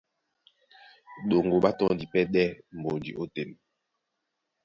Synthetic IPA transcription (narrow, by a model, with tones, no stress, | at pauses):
ɗo˨ŋɡo˨ɓa˦tɔ̃˦˨˦di˨pɛ˦ɗɛ˦m̩˨bo˨ndḭ˨ʔo˦te˨m